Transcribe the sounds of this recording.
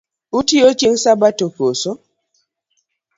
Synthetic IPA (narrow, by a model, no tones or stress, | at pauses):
utiot͡ʃiŋsabatokoso